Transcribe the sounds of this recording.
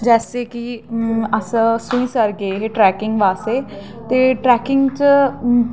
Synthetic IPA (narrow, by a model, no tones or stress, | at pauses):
d͡ʒɛːseːkiəssʊ̃ĩːsəɾɡeːɦeʈɾɛːkɪŋɡʋaːseː | t̪eːʈɾɛːkɪŋɡt͡ʃ